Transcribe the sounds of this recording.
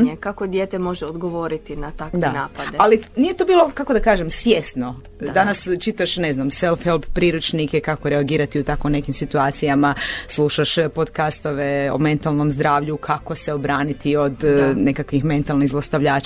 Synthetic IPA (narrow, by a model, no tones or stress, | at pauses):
kakod̪jet̪emo̞ʒeod̪ɡoʋoːɾit̪inat̪akdeanaːpad̪ealinije̞t̪oːbiːlˠo̞kako̞d̪akaːʒemsʋjest̪no̞ | d̪anast͡ʃit̪aʃne̞znamselfelˠbpɾiːɾut͡ʃnikekako̞ɾeaɡiːɾat̪iut̪akone̞kimsit̪uaːt̪sijamaslˠuʃaʃpod̪kast̪o̞ʋeo̰me̞nt̪alˠno̞mzd̪ɾaːʋʎukʰako̞seobɾaːnit̪io̞d̪ne̞kakʋixme̞nt̪alˠniɣzlˠost̪aʋʎaːt͡ʃ